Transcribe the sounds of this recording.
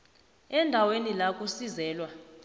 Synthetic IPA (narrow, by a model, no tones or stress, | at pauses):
ɛndʱawenilakʼusizɛːlwa